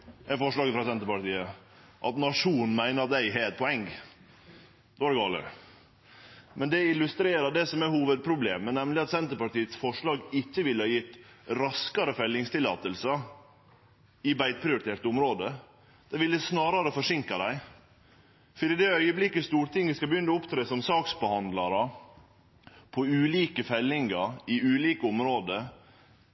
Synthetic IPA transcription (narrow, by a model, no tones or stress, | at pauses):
æfɔʂɭɑːɡəfɾɑsɛnt̪əɾpɑʈiːə | ʔɑ̰t̪nɑʂuːn̩mæɪnəɾɑt̪̚d̪æɪɦɛɛt̪̚pʰɔɛŋɡ | d̪ɛːɑɖɛɡɑːlə̰ | mɛnd̪ɛɪlʉst̪ɾeːɾɑd̪ɛsɔmæhuːʋəd̪̚pʰɾʊbleːmənɛmlɪɑt̪sɛnt̪əɾpɑʈiːət̪sfɔʂɭɑːɡɪçːəʋɪlːəhɑjɪt̪ːɾɑskɑɾəfɛlːɪŋst̪ɪlːɑ̰ːt̪əlsə | ɪbæɪd̪̚pʰɾɪʊɾɪt̪ʰeːʈ̪ʊmɾoːd̪ə | d̪̥ɛɪʋɪlɛsnɑːɾɑɾəfɔʂɪŋkɑd̪æɪ | fɔɖiːd̪ɛœʏəblɪkːəst̪uːɾt̪ʰɪŋʋɪskɑbəjʏnːɔʊpt̪ʰɾeːsɔmsɑːksbəhɑnd̪lɑɾə | pʰɔʉːliːkəfɛlːɪŋɑɾɪʉːliːkəʊmɾoːd̪ə